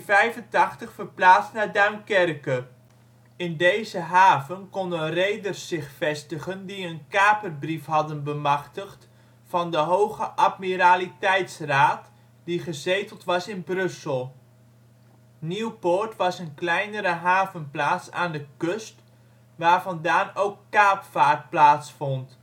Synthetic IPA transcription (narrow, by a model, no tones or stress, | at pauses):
vɛjvəntɑχtəχfəɹplaːtstnaːdœɥmkɛrkə | ɪndejzəɦaːvənkɔndənrejdərsːɪχfɛstəχəndiənkaːpərbrifɦɑdənbəmɑχtəχt | fɑndəɦowχəʔɑt̚miɾaːlitɛjtsraːt | diχəzejtəlˠtʋɑsɪnbrɵsəlˠ | niwpʊɹtʋɑsənklɛjnəɾəɦaːvənplaːtsa̰ːndəkøst | ʋaːɹvɑndaːnowkːaːpfaːrt̚plaːtsfɔnt